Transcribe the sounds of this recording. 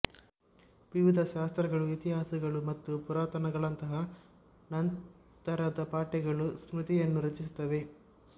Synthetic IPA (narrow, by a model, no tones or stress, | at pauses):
ʋiʋid̪ʱɐʃaːst̪ɾɐɡɐɭuit̪iɦaːsɐɡɐɭumɐt̪ːupuɾaːt̪ɐnɐɡɐɭɐnt̪ɐɦɐ | nɐn | t̪ɐɾɐd̪ɐpaːʈɛɡɐɭusmɾut̪ijɐnːuɾɐt͡ʃis̬u̥t̪ːɐʋe̞